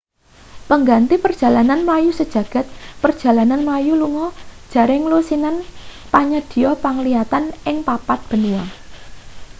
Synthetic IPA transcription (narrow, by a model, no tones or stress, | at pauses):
pəŋɡant̪ipərd̥ʒ̥ä̤lananmlajusəd̥ʒ̥ä̤ɡ̥ä̤t̪̚pərd̥ʒ̥a̤lananmlajuluŋɔd̥ʒ̥ä̤ɾɪŋlusinan | paɲəd̪̥i̤jɔpaŋliat̪anɪŋpapat̪̚b̥ə̤nuwa